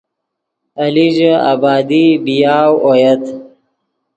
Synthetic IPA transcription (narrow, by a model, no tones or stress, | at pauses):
ɐliʒa̰bɑːd̪ibijaːwojɐt̪